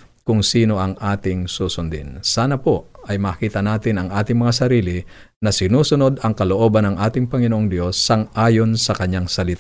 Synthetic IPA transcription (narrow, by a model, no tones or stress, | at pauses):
kʊŋsiːno̞ʔɐŋʔaːt̪ɪŋsuːsʊnd̪ɪ̰nsaːnɐpo̞ʔɐjmɐːkiːt̪ɐnaːt̪ɪnɐŋʔaːt̪ɪŋmɐŋasɐɾiːlɪ | nɐsɪnuːsʊno̞d̪ɐŋkɐloʔo̞ːbɐnɐŋʔaːt̪ɪŋpɐŋɪnoʔoŋd̪jo̞sːɐŋʔaːjo̞nsɐkɐɲːaŋsɐlɪt̪a